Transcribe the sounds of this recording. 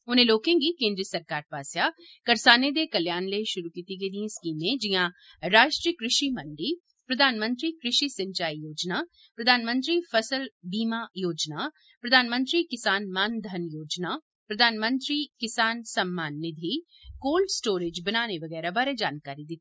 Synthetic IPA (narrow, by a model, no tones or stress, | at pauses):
ʊnẽloːkẽɡikẽːnd̪ɾiəsəɾkaːɾpaːsja | kɐɾsaːned̪ekɐljaːnləiʃʊɾukiːt̪iɡed̪iẽskiːmẽd͡ʒɪjã | ɾaːʃʈɾiəkɾɪʃiməɳɖi | pɾɐd̪ʱaːnmə̃nt̪ɾikɾɪʃiːsɐ̃ɲt͡ʃaːijoːd͡ʒnaː | pɾɐd̪ʱaːnmə̃nt̪ɾifʰɐsəlbiːmajoːd͡ʒnaː | pɾɐd̪ʱaːnmə̃nt̪ɾikɪsaːnmaːnd̪ʱɐnjoːd͡ʒnaː | pɾɐd̪ʱaːnmə̃nt̪ɾiːkɪsaːnsɐmːaːnːɪd̪ʱi | koːlɖsʈoːɾeːd͡ʒbɐnaːneʋɐɡɛːɾabaːɾed͡ʒaːnkaːɾid̪ɪt̪ːi